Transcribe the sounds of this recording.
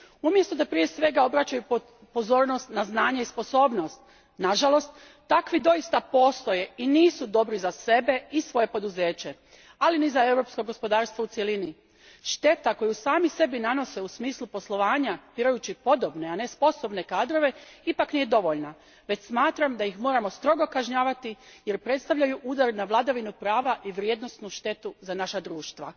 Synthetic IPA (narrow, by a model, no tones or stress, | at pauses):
umje̞st̪o̞d̪apɾije̞sʋe̞ɡao̞bɾat͡ɕaju | po̞zo̞ːɾno̞st̪naznaːɲaispo̞so̞ːbno̞st̪̚ | naʒalo̞st̪ː | akʋid̪o̞ist̪apo̞ːst̪o̞je̞iniːsud̪o̞bɾizase̞be̞isʋo̞je̞po̞d̪uzeːt͡ɕe̞ | alinizae̞wɾo̞ːpskoɡo̞spo̞d̪aːɾst̪ʋout̪jelini | ʃt̪e̞t̪ako̞jusaːmise̞binano̞se̞usmiːslˠupo̞slˠo̞ʋaːɲapiɾajut͡ɕipo̞d̪o̞bne̞ane̞spo̞so̞bne̞kaːd̪ɾo̞ʋe̞ipaknije̞d̪o̞ʋo̞ʎna | ʋe̞t͡ɕsmaːt̪ɾamd̪ajixmo̞ːɾamo̞st̪ɾo̞ɡo̞kaʒɲaːʋat̪ije̞ɾpɾe̞t̪st̪aʋʎajuʔuːd̪aɾnaʋlˠad̪aʋinupɾaːʋaʔiʋɾje̞d̪no̞st̪nuʃt̪e̞t̪uzanaʃad̪ɾuːʃt̪ʋa̰